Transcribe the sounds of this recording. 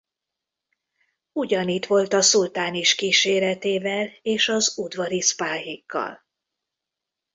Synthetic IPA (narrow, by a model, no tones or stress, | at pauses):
uɟɒniːt̪ʋo̞lt̪ɒsult̪aːniʃkiːʃeːɾɛt̪eːvɛleːʃɒzud̪vɒɾispaːɦikːɒ̰l